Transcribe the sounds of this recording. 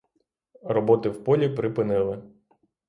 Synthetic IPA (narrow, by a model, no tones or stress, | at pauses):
rɔbɔt̪ɪwpɔlʲipɾɪpɪnɪlˠɪ